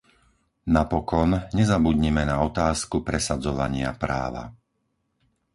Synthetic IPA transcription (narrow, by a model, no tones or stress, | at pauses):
napɔkɔnɲɛzabudɲimɛnaɔt̪aːskupɾɛsad͡zɔʋa̰ɲɪa̰pɾa̰ːʋa̰